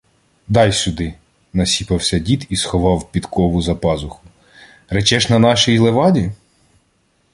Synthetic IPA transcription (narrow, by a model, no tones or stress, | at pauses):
d̪ɑjsʲʊd̪ɪ | nɐsʲipɐwsʲɐdʲit̪isxɔʋɑwpʲit̪kʰɔʋʊzɐpɑzʊxʊ | rɛt͡ʃɛʃnɐnɑʃijlˠeʋɑdʲi